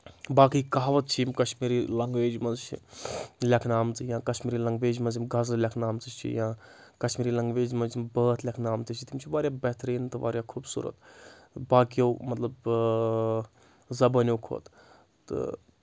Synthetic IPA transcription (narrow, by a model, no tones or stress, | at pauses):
baːkiːkaːʋɐt̪̚t͡ʃʰimkɐʃmiːɾiːlɐŋɡʋeːd͡ʒmɐzt͡ʃʰḭlʲɐkʰnaːmt͡sɨjãːkɐʃmiːɾiːlɐŋɡʋeːd͡ʒmɐzimɡazɾlʲɐkʰnaːmt͡sɨt͡ʃʰḭjãː | kɐʃmiːɾiːlɐŋɡʋeːd͡ʒmɐzimbəːt̪lʲɐkʰnaːmt͡sɨt͡ʃʰit̪imt͡ʃʰiʋaːɾjaːbɛɦt̪ɾiːnt̪ɨʋa̰ːɾʲjaːkʰuːbsṵːɾə̰t̪baːkijowmɐt̪lɐb | zɐbɐnʲjokʰo̰ːt̪ | t̪ɨ̰